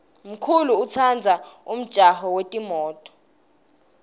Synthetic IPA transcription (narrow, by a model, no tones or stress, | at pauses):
m̩kʰuluːt͡sʰand͡zʱaum̩d̥ʒ̥ʱahɔwetʼimɔːtʼɔ̥